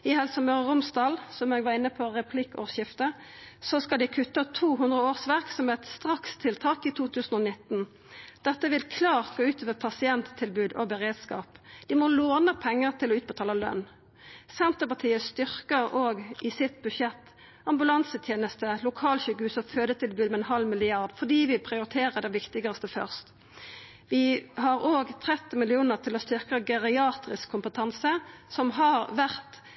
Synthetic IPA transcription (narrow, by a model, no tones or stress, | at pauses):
ɪhɛlsɔmøːʁʁʊmsd̪ɑːlsɔmeːɡʋɑʁɪnːəpʰɔʁɛpʰlɪkʰo̰ʁʃɪft̪əsɔskɑld̪ɪkʰʉt̪ːət̪ʰuːɦʉnd̪ʁəoːʁsʋæʁksɔmɛt̪st̪ʁɑkst̪ʰɪlt̪ʰɑːkit̪ʰuːt̪ʰʉːsnɔnɪt̪ːn | d̪̥ɛt̪ːəʋɪlkʰlɑːʁt̪̚ɡoːʉːt̪ʰøːʋəpʰɑsɪɛnt̪ʰːɪlbʉːd̪ɔ̰bəʁeːd̪skɑ̰ːpd̪̥ɪmɔloːnəpʰɛŋːəʁt̪ʰɪlɔʉːt̪bət̪ɑːləlœ̰nː | sɛnt̪əpɑt̪ʰiːəst̪ʏʁkəʁoːɡʔɪsɪt̪̚bʉdʂɛt̪ː | ɑmbʉlɑnsət̪ʰjeːnəst̪əlʊkʰɑːlçʏɡʉːsɔføːd̪ət̪ʰɪlbʉːd̪mɛɛnɦɑlmɪlɪɑʁd̪fɔd̪iːʋɪpʰʁɪʊɾɪt̪ʰeːʁəd̪ɛʋɪkt̪ɪɡɑst̪əfœ̰ʁst̪ | ʋɪɦɑʁoːɡt̪ʰʁɛt̪ːɪmɪlɪuːnəʁt̪ʰɪlɔst̪ʏʁkəɡɛʁɪɑːt̪ʁɪskʰːʊmpət̪ʰɑnsəsɔmɦɑʁʋæʁt̪